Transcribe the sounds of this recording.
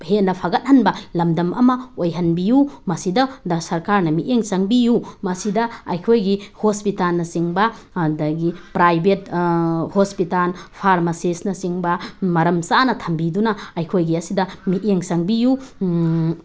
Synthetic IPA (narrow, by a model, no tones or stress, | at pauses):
henɐpʰaɡɐt̚hɐnbɐlɐmdɐmʔɐ̰mɐojɦɐnbijumɐsidɐdɐsɐɾkaɾnɐmiʔeŋsɐŋbijumɐsidɐɐjkʰojɡihospitalnɐsiŋbɐ | dɐɡipɾajbethospitalpʰaɾmɐsesnɐsiŋbɐmɐɾɐmsanɐtʰɐmbidunɐɐjkʰojɡiɐsidɐmieŋsɐŋbiju